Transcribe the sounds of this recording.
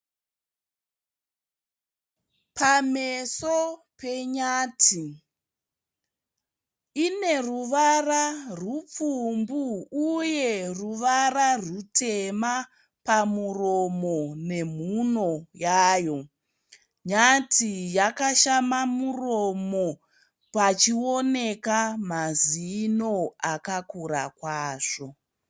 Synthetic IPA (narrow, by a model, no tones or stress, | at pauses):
pameso | pe̞ɲaːtʰi | ine̞ruʋararup͡fumbuːje̞ruʋararutema | pamuromo̞ne̞m̤uno̞jaːjo̞ | ɲatʰijakaʃamamuro̞mo̞ | pat͡ʃio̞ne̞kamazino̞akakura̰kwaːʂo̞